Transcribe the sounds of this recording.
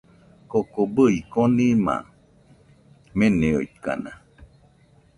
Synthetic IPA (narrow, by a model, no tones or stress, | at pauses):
kokobəikonĩmã̰ | mẽneo̰it̪̚ka̰na